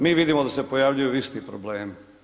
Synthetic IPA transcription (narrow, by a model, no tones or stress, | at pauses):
miːʋid̪imod̪ase̞pojaʋʎujuist̪ipɾobleːmi